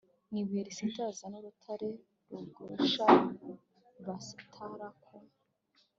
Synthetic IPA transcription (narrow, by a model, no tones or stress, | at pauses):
niβeɾisintazanuɾutʰaɾe | ɾuɡuʃa | βasi̥tʰaɾakʰo